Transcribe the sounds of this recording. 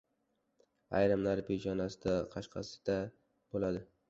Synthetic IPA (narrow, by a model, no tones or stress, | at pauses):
a̰jɾɪmlaɾped͡ʒɒnasɪd̪aqʰɑʃqʰɑ̰sɪ̥d̪̥a | b̥olad̪ɪ